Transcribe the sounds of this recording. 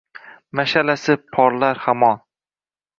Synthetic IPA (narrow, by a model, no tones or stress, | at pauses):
maʃalasɪpʰɒɾlaɾhamɒn